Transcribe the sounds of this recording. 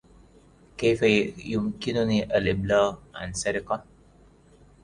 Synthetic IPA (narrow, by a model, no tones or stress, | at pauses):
kajfajʊmkɪnʊniːʔalʔɪblaːɣʕa̰nsaɾɪqɑ